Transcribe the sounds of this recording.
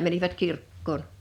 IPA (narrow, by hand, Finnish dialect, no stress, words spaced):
mæniʋæt kirkːoːn